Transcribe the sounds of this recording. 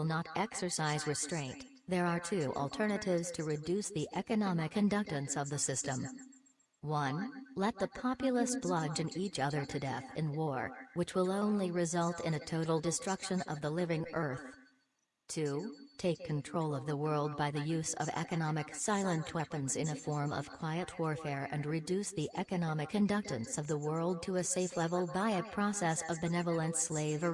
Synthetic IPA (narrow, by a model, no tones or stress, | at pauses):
lˠnəɾʔɛksə˞saɪzɹɨstɹ̥ẽɪ̃n | ðə˞ə˞tʰʉʔl̩ˠtʰɜ˞nɨɾɪvz̥tʰɨɹɨdʉsðiʔɛkɨnɑmɨkʰɨ̃ndʌk̚tɨ̃nsʌvðɨsɪstə̃m | wʌ̃nlɛt̪̚ðəpʰɑpjl̩ˠəsb̥lʌd͡ʒɨ̃nit͡ʃʌðə˞ɾʰɨdɛθɨ̰̃nwɔɹwɨt͡ʃwəlˠõʊ̃nliɹɨzʌlˠtʰɨ̰̃ñɨtʰoʊɾl̩ˠdɨstɹ̥ʌkʃɨ̃nʌ̰vðəlɪvɪ̃ŋɜ˞θ | tʰutʰeɪkʰːɨ̃ntʰɹ̥oʊlˠʌvðəwɜ˞lˠd̚baɪðɨjʉzʌ̰vɛ̰kɨnɑmɨksaɪlˠə̃ntʰw̥ɛpɨ̃nzɨ̃ñɨfɔɹmʌ̰v̥kʰw̥aɪɨt̚wɔɹfɛɹɨ̰̃nɹɨdʉsðiʔɛkɨnɑmɨkʰːɨ̃ndʌk̚tɨ̃nsʌvðəwɜ˞lˠd̚tʰɨɨseɪflɛvl̩ˠbaɪɨpʰɹ̥ɑsɛsʌvbɨnɛvl̩ˠə̃nsleɪvə˞